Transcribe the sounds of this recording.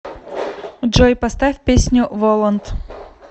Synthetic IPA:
d͡ʒojpɐst̪afʲpʲesʲnʲʊvolˠənt̪

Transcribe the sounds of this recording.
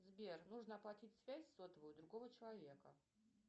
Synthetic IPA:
zbʲernuʐnəɐplˠɐtʲitʲsvʲæsʲsot̪əvəjud̪ɾʊɡovət͡ɕɪlˠɐvʲe̞kə

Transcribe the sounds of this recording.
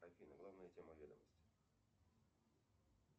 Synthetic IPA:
ɐjfʲinəɡlˠavnəjətʲeməvʲed̪əməsʲtʲɪ̥

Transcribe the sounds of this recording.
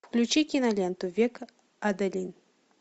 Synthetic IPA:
fklʲut͡ɕikʲinɐlʲent̪uvʲek | ad̪ɐlʲin

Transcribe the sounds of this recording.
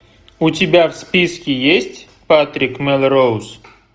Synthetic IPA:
utʲɪbʲafspʲiskʲɪjesʲtʲ | pat̪ɾʲikmʲɛlʲˠɾows

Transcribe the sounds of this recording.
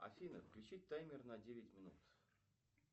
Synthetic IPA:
ɐ̰fʲinə̰fklʲʉt͡ɕit̚ʲt̪ːajmʲɪrnadʲevʲɪtʲmʲɪnut̪

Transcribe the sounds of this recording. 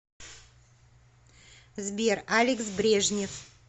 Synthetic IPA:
zbʲeralʲɪksbɾʲeʐnʲɪf

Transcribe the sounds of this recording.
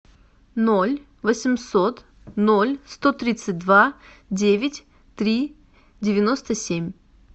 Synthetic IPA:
nolʲ | vəsʲɪmsot̪ | nolʲst̪ot̪ɾʲit̪sɨt̚ʲd̪vadʲevʲɪtʲ | t̪ɾʲi | dʲɪvʲɪnost̪əsʲemʲ

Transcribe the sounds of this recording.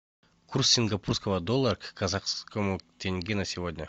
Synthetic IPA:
kursːʲɪŋɡɐpurskəvəd̪olˠːarkkɐzaqskomukt̪ʰʲeŋʲɡʲinɐsʲɪvod̪ʲnʲə

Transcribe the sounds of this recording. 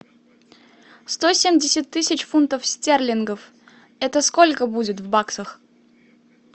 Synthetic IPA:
st̪osʲemʲdʲɪsʲɪt̪̚ːɨsʲɪt͡ɕfunt̪əfsʲtʲerlʲɪnɡəf | ɛt̪əskolʲkəbudʲɪt̪vbaksəx

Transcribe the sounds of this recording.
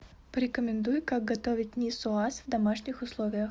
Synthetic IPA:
pəɾʲɪkəmʲɪnd̪ujʊkaɡ̚ɡɐt̪ovʲɪt̚ʲnʲisʊasvd̪ɐmaʂnʲɪxʊslˠovʲɪjəx

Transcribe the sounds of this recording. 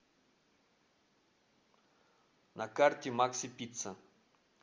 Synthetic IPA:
nakart̪ʲimaksipit̪t͡sʰa

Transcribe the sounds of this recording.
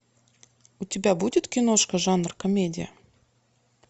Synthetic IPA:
ʊtʲɪbʲabudʲɪt̪kʲɪnoʂkəʐɑnrkɐmʲedʲɪ̰jə̰

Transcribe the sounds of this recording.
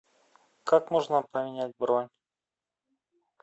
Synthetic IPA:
kakmoʐnəpəmʲɪnʲæt̚ʲbɾonʲ

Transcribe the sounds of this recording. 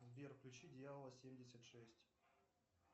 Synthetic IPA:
vvʲerfklʲʉt͡ɕid̪ʲjaləlˠəsʲemʲdʲɪsʲət̪ʂɛsʲtʲ

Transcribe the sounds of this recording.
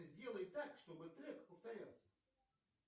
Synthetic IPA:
zʲdʲe̞lˠəjt̪ːakʂt̪o̞bɨt̪ɾɛkpəft̪ɐɾʲalˠsʲə̥

